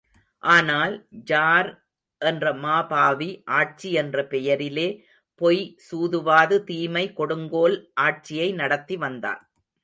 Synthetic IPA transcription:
ʔaːnaːld͡ʒaːɾ | ʔɛndrɐmaːbaːʋiʔaːʈ̚t͡ʃiɛndrɐpɛjɐɾɪleː | pɔjsuːðɯʋaːðɯt̪iːmɐɪkɔɽɯŋɡoːlʔaːʈ̚t͡ʃɪjɐɪnɐɽɐt̪ːiʋɐnd̪a̰ːn

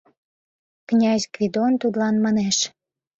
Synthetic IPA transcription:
knʲɑzʲkvʲid̪ont̪ud̪lɑnmɑneʃ

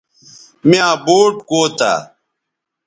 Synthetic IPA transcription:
miãːboːʈkoːt̪a̰ː

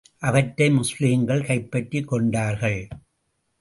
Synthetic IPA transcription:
ʔɐʋɐʈːɐɪmʊsliːŋɡɐɭkɐɪpːɐʈːikːɔɳɖaːɾɣɐɭ

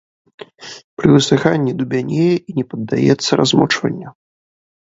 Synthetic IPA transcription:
pɾɨvɨsɨxanʲːid̪ubʲanʲejɛʔinʲɛpɐd̪ːa̰jɛt̪sːɐɾazmɔt͡ʂvɐ̰nʲːɐ

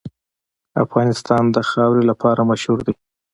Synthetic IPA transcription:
afɣɑnɪst̪ɑnd̪əxɑwɾelapʰɑɾamaʃhuɾd̪e

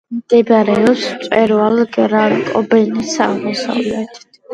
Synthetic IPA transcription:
md̪̥ɛbɾɛɔpst̪sʼwɛɾvalɡɾakʼɔbɛnisamɔsa̰vlɛt̪ʰ

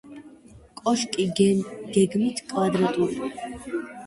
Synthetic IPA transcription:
kʼɔʃkʼiɡɛɡ̥ɛɡmit̪ʰkʼwad̪ɾat̪ʼuɾ

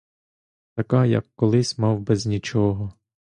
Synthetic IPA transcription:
t̪ɐkajɐ̰kːɔlˠɪsʲmɑwbɛzʲnʲit͡ʃɔɦɔ

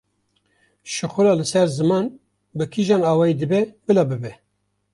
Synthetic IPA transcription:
ʃɨxʊɾɑːlɨsɛɾzɨmɑːn | bɨkʰiʒɑːnɑːwɑːjid̪ɨbɛbɨlɑːbɨbɛ

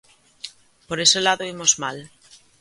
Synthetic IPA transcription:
poɾe̞selaðoimozmal

